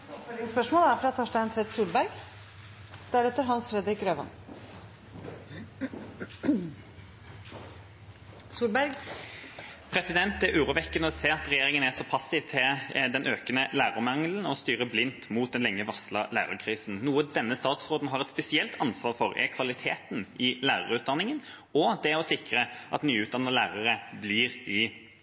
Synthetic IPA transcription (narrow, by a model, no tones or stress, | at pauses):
spœʂmoːlæɾfɾɑːt̪ʰɔʂdænsʰʋɛt̪suːlbæɾɡ | d̪̥æɾɛt̪ːəɾɦɑnsfɾɛd̪ɾɪkɾøːʋɑ̰n | suːlbæɾɡ | pʰɾɛsɪd̪ɛnt̪ɛʔʉːɾʊʋɛkːənəɔseːɑt̪ɾɛjeːɾɪŋənæsɔpʰɑsːɪʋt̪ʰɪd̪ɛnʔøːkənəlæːɾəɾmɑŋln̩ɔst̪yːɾəblɪnt̪muːt̪̚d̪ɛnlɛŋːəʋɑslɑlæ̰ːɾɑkʰɾiːsn̩nuːəd̪ɛnːəst̪ɑːt̪sʁoːd̪n̩ɦɑɾɛt̪spɛsɪɛlt̪ʰɑnsʋɑːɾfɔɾɛ̰kʰʋɑlɪt̪ʰḛːt̪nʔɪlæːɾə̰ʁʉːt̪̚d̪ɑnːɪŋən | ɔd̪ɛɔsɪkɾəʔɑ̰t̪nyːʉːt̪d̪ɑnːəlæːɾɑʁəbliɾɪ